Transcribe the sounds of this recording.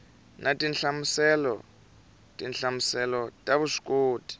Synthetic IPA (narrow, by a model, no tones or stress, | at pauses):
natʼinɬamusɛlɔ̰ | tʼinɬamusɛlɔtʼaβuʂi̥koːtʼi̥